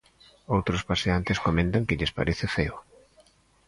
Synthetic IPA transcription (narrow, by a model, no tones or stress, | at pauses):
owt̪ɾʊspaseant̪ɪskomẽnt̪aŋkɪʎɪspa̰ɾʔeθɪfeʊ